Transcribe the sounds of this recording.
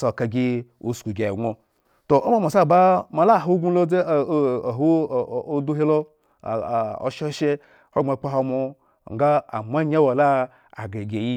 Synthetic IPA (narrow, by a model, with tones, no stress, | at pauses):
so˨ka˨ɡʲi˦ṵ˦˨sku˨ɡʲe˨ɡo˨ | to˨ʔo˦ma˦˨ma˨sa˦˨ba˦ma˨la˦˨ɦo˦ɡu˦lo˦e˦˨˦ɦo˦˨o˦du˦ɦe˦lo˦˨ | o̰˨ʃe˦o˦ʃe˦ | ho˦ŋ͡ma˨k͡pa˦ɦo˧mo˦ | ŋ̩˨ɡa˦a̰˨mʷ˦a˦ɲa˦wa˨la˦ | a̰˨ɡe˨ɡʲe˨ji˦